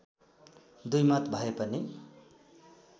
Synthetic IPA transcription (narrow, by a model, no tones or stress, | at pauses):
d̪ujmʌt̪bʱʌepʌni